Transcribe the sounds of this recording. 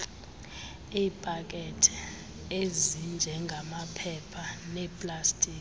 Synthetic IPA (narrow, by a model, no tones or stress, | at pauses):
iːpʼak̬ʼɛtʰi̥ | ezind͡ʒʱɛŋɡʱamapʰɛpʰanɛpʼlastʼiːk